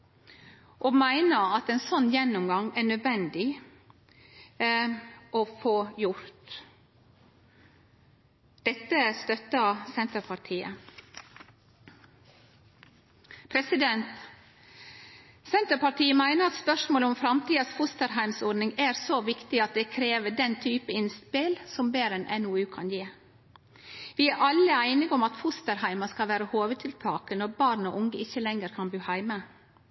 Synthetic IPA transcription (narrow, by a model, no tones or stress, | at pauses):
ʔoːmæɪnəɾɑt̪ɛnsɔnːjɛnːʊmɡɑŋæːɳœd̪ʋɛnd̪ɪ | ʔofoːjʊɾt̪ | d̪̥ɛt̪ːəst̪œt̪ːəsɛnt̪əɾpʰɑʈʰiːə | pʰɾɛsɪd̪ɛnt̪ | sɛnt̪əɾpɑʈiːəmæɪnəɾɑt̪spœʂmoːləɔmfɾɑmt̪iːɑsfʊst̪əɾhæɪmsɔɖnɪŋæːɾsoːʋɪkt̪ɪɑt̪̚d̪eːkʰɾeːʋəɖɛnt̪ʰyːpəɪnspɪlsɔmbeːɾɛnʔɛnuːʉːkʰɑnjeː | ʋɪæɾʔɑləæɪnɪɡɔmɑt̪fʊst̪əɾhæɪmɑskɑlʋæːɾəhoːʋət̪ʰɪlt̪ʰɑːkənɔɾbɑːɾno̰ːʔʊŋɡəʔɪçəlɛŋəɾkʰɑnbʉːhæɪmə